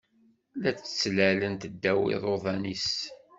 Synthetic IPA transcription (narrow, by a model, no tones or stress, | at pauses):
læt͡sə̥t͡sːlælənt̪əd̪ːæwɪ̰ðˤoðˤɑnis